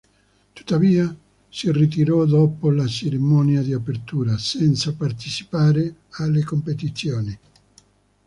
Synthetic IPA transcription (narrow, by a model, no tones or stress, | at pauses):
t̪u̥t̪ːaviːa | sirit̪̬iɾɔd̪ɔːpolat͡ʃeɾimɔnjad̪iapert̪uːɾasɛnt̪sapart̪it͡ʃi̥paːɾealːekompet̪it̪sjoːni